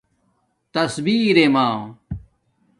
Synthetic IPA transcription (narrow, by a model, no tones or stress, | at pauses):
t̪ɐsbiːɾemaː